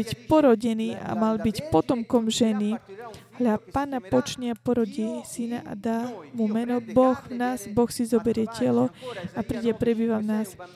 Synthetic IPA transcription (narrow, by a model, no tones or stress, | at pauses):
icpɔɾɔɟɛniːʔa̰malbicpɔt̪ɔmkɔmʒɛnialapaːnapɔt͡ʃɲɪapɔɾɔɟɛsinaʔa̰d̪aːmumɛnɔbɔɣvnaːzbɔxsizɔbɛɾɪɛcɛlɔapɾiːɟɛpɾɛbiːʋavnaːs